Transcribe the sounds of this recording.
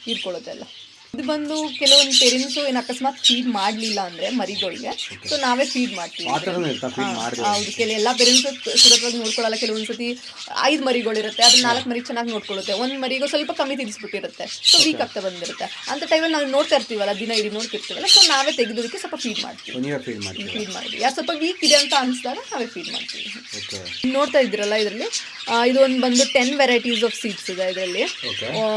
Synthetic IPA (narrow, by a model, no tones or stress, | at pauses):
iɾkoɭut̪ːeɐlːɐ | d̪bɐnd̪ukɛluʋond̪upeɾinsueːnɐkɐsmaːt̪pʰiːɖmaːɖlilːɐːnd̪ɐɾemɐɾiɡɐɭɡesoːnaːʋe̞ːpʰiːɖmaːɖt̪iʋid̪ɾt̪aa̰ɐwd̪ukelɐɛlːɐp̬eɾinsusuɾɐt̪ʋaːɡino̞ːɽkɔɭɐlːɐkeluʋond̪sɐt̪̬i | ɐ̰jd̪umɐɾiɡɐɭiɾut̪ːe̞ɐd̪ɐnnaːlɐkːmɐɾiɡt͡ʃɛnːaːɡino̞ːɽkoɭut̪ːeond̪mɐɾiɡesʋɐlpɐkɐmːit̪̬iɾisbiʈːuiɾut̪ːesoːʋiːkɐk̚t̪ebɐnd̪iɾut̪ːeɐnt̪ɐʈɐjmɐlnaːʋuno̞ːɽt̪aːiɾt̪iːʋɐlːɐd̪inɐid̪inoːɽt̪iɾt̪iːʋɛlːɐsoːnaːʋe̞ːt̪eɡid̪od̪ikːesʋɐlpɐpʰiːɖma̰ːɖt̪ḭʋiḭfiːɖma̰ːɽt̪ḭʋijaːsʋɐlpɐʋiːkid̪eɐnt̪ɐɐnɨsd̪aːɡɐnaːʋe̞ːpʰiːɖma̰ːɖt̪ḭʋi | okeno̞ːɖt̪aːjd̪ːiːɾɐlːɐid̪ɾɐlːi | id̪uond̪bɐnd̪uʈenːʋɛɾɐjʈis̬ɔːfsiːʈsid̪eid̪ɾɐlːioke